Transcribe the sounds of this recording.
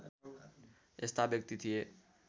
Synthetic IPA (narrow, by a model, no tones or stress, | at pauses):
est̪ʰabjək̚t̪it̪ʰije